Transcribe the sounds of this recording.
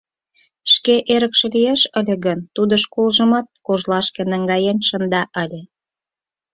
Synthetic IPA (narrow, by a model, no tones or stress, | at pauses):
ʃkeʔeɾəkʃĕlijeʃəlʲĕɣənt̪ud̪ə̆ʃkolʒə̆mɑt̪̚koʒlɑʃkenəŋɡɑjenʃə̆nd̪ɑʔəlʲe